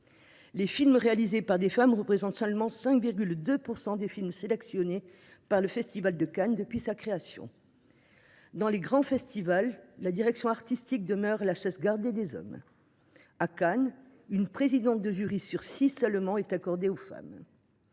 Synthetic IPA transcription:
lefilmʁealizepaʁd̪efamʁəpχezɑ̃t̪sœ̃lmɑ̃sɛ̃kviʁɡʲyld̪øpuʁsɑ̃d̪efilmselɛksjɔne | paʁləfɛst̪ivald̪əkand̪əpɥisakχeasjɔ̰̃ | d̪ɑ̃leɡʁɑ̃fɛst̪ivalːad̪iʁɛksjɔ̃aʁt̪ist̪ik̚d̪əmœʁlaʃasɡaʁd̪ed̪ezɔ̰m | akan | ynpχezid̪ɑ̃t̪̚d̪əʒyʁisyʁsisœlmɑ̃ɛt̪akɔʁd̪eofa̰m

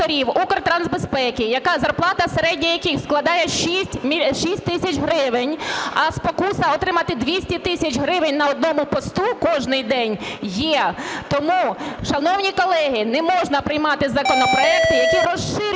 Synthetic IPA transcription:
ɔɾʲiwukrt̪ɾanzbespɛkʲɪjɐkɑzɐrplˠɑt̪ɐseɾɛdʲnʲɐjɐkʲisklˠɐd̪ɑjɛʃisʲtʲmʲiʃisʲtʲt̪ɪsʲɐt͡ʃɦɾɪʋɪnʲɐspɔkusɐɔt̪ɾɪmɐt̪ɪd̪ʲʋʲisʲtʲit̪ɪsʲɐt͡ʃɦɾɪʋɪnʲnɐɔd̪̚nɔmʊpɔst̪ukɔʒnɪjd̪ɛnʲjɛt̪ɔmuʃɐnɔwnʲikɔlˠɛɦɪnɛmɔʒnɐpɾɪjmɑt̪ɪzɐkɔnɔpɾɔɛkt̪ʲɪjɐkʲiɾɔʃɪɾʲ

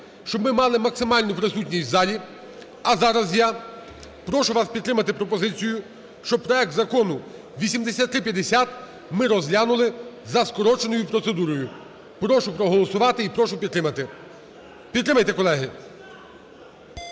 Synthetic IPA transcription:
ʃt͡ʃɔbmɪmɑlˠɪmɐksɪmɑlʲnʊpɾɪsutʲnʲisʲtʲzɑlʲi | ɐzɑɾɐzja | pɾɔʃʊʋɑspʲidt̪t̪ːɾɪmɐt̪ɪpɾɔpɔzɪt͡sʲijʊ | ʃt͡ʃɔb̚pɾɔɛk̚t̪zɐkɔnʊ | ʋʲisʲimd̪esʲat̪ːɾɪpʲjɐd̪esʲat̪ | mɪɾɔzɦlʲanʊlˠɪzɐskɔɾɔt͡ʃenɔjʊpɾɔt̪sed̪uɾɔjʊ | pɾɔʃʊpɾɔɦɔlˠɔsʊʋɑt̪ɪipɾɔʃʊpʲiɾɪmɐt̪ɪ | pʲid̪t̪ːɾɪmɐjt̪ɛkɔlˠɛɦɪ

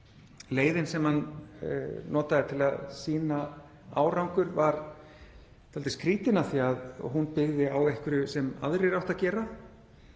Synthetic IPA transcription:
leːjðɪnsɛmhan̰ | nɔːt̪aðɪt̪ʰɪlaðsiːna | a̰ːwɾawŋkʏɾvaɾ | t̪ʰalɪskʰɾiːt̪ɪnaθiað̰ɦunpɪɣðɪawejhkʏɾʏsɛma̰ðɾɪɾawht̪acɛːɾa

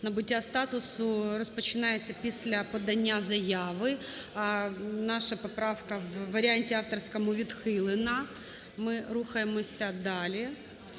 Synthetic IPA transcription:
nɐbʊtʲːast̪ɑt̪ʊsʊɾɔspɔt͡ʃɪnajet͡sʲːɐpʲisʲlʲɐpɔd̪ɐnʲːazɐjaʋɪ | nɑʃɐpɔpɾɑʋkɐʋːɐɾʲɪanʲtʲɪɑft̪ɔrsʲkɐmʊʋʲid̪xɪlˠɪnɐ | mɪɾuxɐjemɔsʲɐd̪ɑlʲi

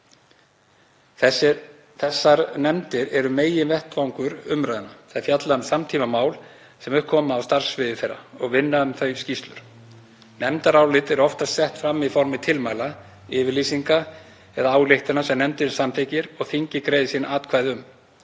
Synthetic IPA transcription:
θɛsːaɾnɛmt̪ɪɾɛɾʏmeːjɪnvɛht̪vawŋkʏɾʏmɾajðɪnaθaðfjat̪lansamt̪ʰiːmamaːwl | sɛmʏhkʰɔːmaːwst̪ar̥svɪðɪθɛɾːa̰ɔɣvɪnːaʏmθœɥscist̪lʏɾ̥ | nɛmt̪aɾaːwlɪt̪ɛɾɔft̪asɛht̪fɾamːifɔɾmɪt̪ʰɪlmajla | ɪːvɪɾliːsiŋka | ɛðaaːwleht̪ɪnasɛmnɛmt̪ɪsamθɪcɪɾɔɣθiɲcɪkɾeːjðɪsinaːt̪kʰvaːjðʏm

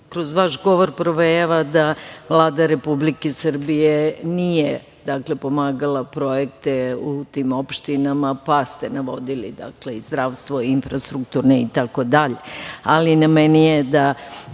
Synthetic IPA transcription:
kɾozʋaʃɡo̞ʋo̞ɾpɾoʋeaʋad̪aʋlˠaːd̪aɾe̞publikesr̩bijenije | d̪akle̞po̞maːɡalˠapɾo̞jek̚t̪eut̪imo̞pʃt̪inamapast̪enaʋo̞d̪ilḭd̪a̰kleizd̪ɾaʋst̪ʋoinfɾast̪ɾukt̪uɾneit̪ako̞d̪aʎe̞alinamɛnijed̪a

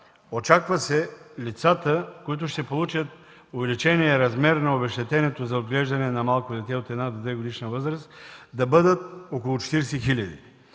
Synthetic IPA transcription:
ot͡ʃakvəsɛlʲit̪sat̪əkoit̪ʊʃt̪ɛpolˠut͡ʃət̪̚ | ʊvɛlʲit͡ʃɛniɛɾɐzmɛɾnɐobɛʃt̪ɛt̪ɛnɛt̪ozɐod̪ɡlɛʒd̪ɐnɛnɐmalˠkod̪ɛt̪ɛot̪ɛd̪nad̪od̪vɛɡod̪iʃnəvɤzɾəst̪d̪ɐbɤd̪ət̪okolˠʊt͡ʃɛ̥t̪iɾsɛxilʲɐd̪ḭ

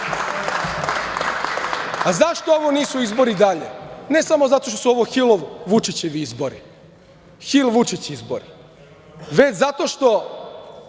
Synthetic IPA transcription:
azaʃt̪o̞oʋoniːsuizbo̞ɾid̪aʎḛne̞samozat̪o̞ʃ̬t̪osuoʋoxilˠoʋʋut͡ʃit͡ɕeʋiizbo̞ɾi | xilʋut͡ʃit͡ɕizbo̰ɾi | ʋe̞t͡ɕzat̪o̞ʃt̪o̞

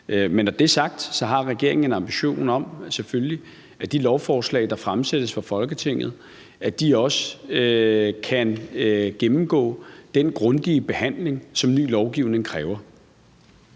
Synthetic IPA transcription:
menːɒd̥e̝æɐsɑ̈ɡ̥̚d̥sɒ̽ɦɑ̈ʁɛɡ̥e̝ɐe̝ŋn̩enɑ̈mb̥iɕo̝̰ːnɒ̽m̰sefølli | æd̥ilɒʊfɒːslɛ̰ɪd̥ɑ̈fʁamsed̥əsfɑ̈fɒ̽lɡ̥ət͡sʰe̝ŋ̰ð̞̩ˠ | æd̥iɒ̽sə | kʰænɡ̥emm̩ɡ̥ɔ̰̽ːd̥enɡ̥ʁɔnd̥iəb̥e̝hæn̰le̝ŋsɒ̽mny̰ːlɒʊɡ̥iʊne̝ŋkʰʁɛːʊɐ

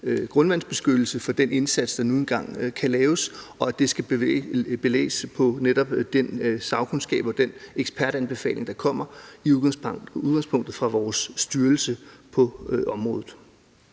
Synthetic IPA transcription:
ɡ̥ʁɔ̽nʋæn̰sb̥e̝sɡ̥ød̥l̩səfɒ̽d̥ene̝nsæd̥sd̥ɑ̈nuːenɡ̥ɑ̈ŋ̰kʰælɛːʊsɒ̽æd̥e̝sɡ̥æ̥ | b̥e̝lḛːspʰɒ̽neɾ̥ɒ̽b̥d̥ensɑ̈ʊkʰonsɡ̥ɛ̰ːb̥ɒ̽d̥eneɡ̥sb̥pʰæɐd̥ænb̥e̝fɛ̰ːlʔe̝ŋd̥ɑ̈kʰɒ̽m̰ɐiuðˠɡ̥ɑ̈ŋspʰɔ̽ŋ̰d̥ð̩ˠfʁɑ̈ʋɒːsːd̥yɐl̩səpʰɒ̽ʔɒ̽mʁɔ̽ːðˠð̩ˠ

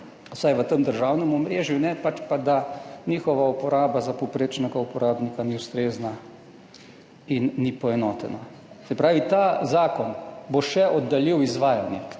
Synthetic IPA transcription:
sajʋət̪əmd̪əɾʒawnɛmɔmɾeːʒjunɛpat͡ʃpad̪aniːxɔʋaupɔɾaːbazapopɾeːt͡ʃnɛɡaupɔɾaːbnikaniust̪ɾeːzna | inːipɔɛnɔːt̪ɛ̰na | sɛpɾaːʋit̪aːzaːkɔnboʃɛʔɔd̪ːaliwizʋaːjanjɛ

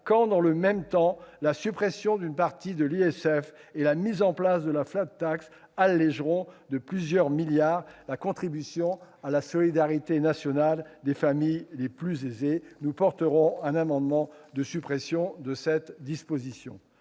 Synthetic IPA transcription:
kɑ̃d̪ɑ̃ləmɛmt̪ɑ̃lasypχɛsjɔ̃d̪ynpaʁt̪id̪əliɛsɛfelamizɑ̃plasd̪əlaflat̪t̪ːaks | alːɛʒʁɔ̃d̪əplyzjœʁmiljaʁlakɔ̃t̪χibysjɔ̃ | alasɔlid̪aʁit̪enasjɔnald̪efamijleplyzezenupɔʁt̪əʁɔ̃ɛ̃namɑ̃d̪mɑ̃d̪əsypχɛsjɔ̃d̪əsɛt̪d̪ispozisjɔ̰̃

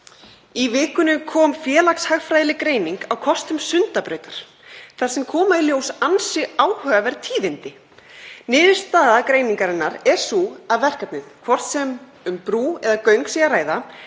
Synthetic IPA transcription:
ivɪːkʏnʏkʰɔːmfjɛːlakshaɣfɾajðlɪkɾeːjniŋkawkʰɔst̪ʏmsʏnt̪apɾœːɥjt̪aɾ̥ | θaɾ̥sɛmkʰɔːmailjoːwsansɪaːwhœːavaɾt̪ʰiːðɪnt̪ɪ | nɪːðɪ̥st̪aːðakɾeːjniŋkaɾɪnːaɾɛ̥suaðvɛr̥kat̪nɪðkʰvɔr̥t̪sɛm | ʏmpɾuːɛðakœɥŋksiɣaraːjða

